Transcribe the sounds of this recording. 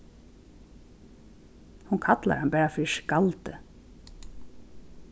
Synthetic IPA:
hunkʰat̪la̰ɾhambɛːɹafɪʃkalt̪ɪ̰

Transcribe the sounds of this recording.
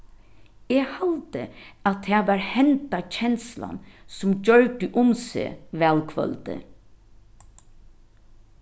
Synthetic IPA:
eːhɔlt̪əat̪ʰːeːʋɑːɹhɛnt̪at͡ʃʰɛnsla̰nsʊmd͡ʒœɹʈəʔʊmsḛːʋæːlkʰʋœ̰lt̪ə̰

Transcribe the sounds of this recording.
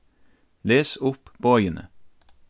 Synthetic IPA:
leːsʊppʰoːœʏənʔə̰

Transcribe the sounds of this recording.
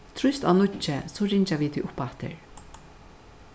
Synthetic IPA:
t̪ʰɾʊst̪aːnʊt͡ʃːɛsɔɾɪɲt͡ʃaʋiːt̪ʰiʔʊpat̪ɪ̰ɹ

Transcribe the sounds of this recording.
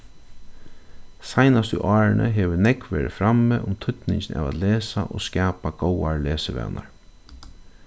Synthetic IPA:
sajnast̪ʊʔɑːɹnʔə̰ɦeːʋənɛkʋeːɾɪfɾamːeʔʊmt̪ʰʏt̪nɪɲt͡ʃɪnɛ̰ːʋæːt̪leːsaʔoːskɛːpaɡ̥owaɹleːsəʋɛ̰ːnaɹ

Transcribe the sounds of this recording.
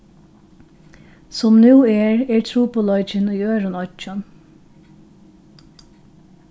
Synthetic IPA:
sɔmnʉːeːɹeːɹt̪ʰɾuːpʊlɑʏt͡ʃəniːøːɹʊnɔt͡ʃən

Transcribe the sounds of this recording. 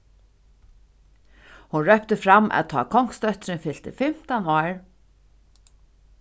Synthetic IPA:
hunɹœp̚t̪əfɾamʔæ̰ðt̪ʰɑ̰ːkʰɔŋ̥kst̪œht̪ɾɪnfɪlt̪ɪ̰fɪm̥t̪anɔːɹ

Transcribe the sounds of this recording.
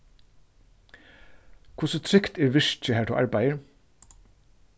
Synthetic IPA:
kʰʊsət̪ʰɾʏkt̪ɛːɹʋɪʂt͡ʃəhæːʈ̪ʰṵʔɑ̰ɹbæjəɹ

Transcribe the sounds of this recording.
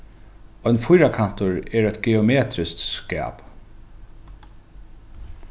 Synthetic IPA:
ɔjnfʊjɾakʰan̥t̪ʊɹɛːɹɛt̪ɡɛɔmeːt̪ɾɪst̪skæ̰ːp

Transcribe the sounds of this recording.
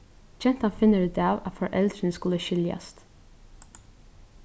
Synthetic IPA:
t͡ʃɛnt̪hɑnfɪnəɾʉd̪æːʋɑt̪fɔɹʔɛld̪ɾənəskʉləʃʏljɑ̰st̪

